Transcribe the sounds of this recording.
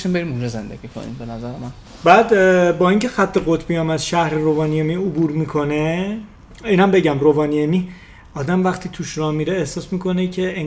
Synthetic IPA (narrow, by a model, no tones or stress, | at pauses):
ʃimbe̞ɾimund͡ʒɒzḛnd̪eɡ̥iːkʰo̰nḭmbenæzæɾemæn | bæːd̪bɒːiŋcʰe̞xæt̪ʰːe̞ɣot̪ʰbijɒːmæd̪ʃæhɾeɾovɒːniemiːobuːɾmiːkʰo̞ne | iːnæmbe̞ɟæmrovɒːniemiː | ɒːd̪æmvæxt̪ʰiːt̪ʰuʃɾɒːmːiɾeːhsɒːsmiːkʰo̞necʰe̞eŋ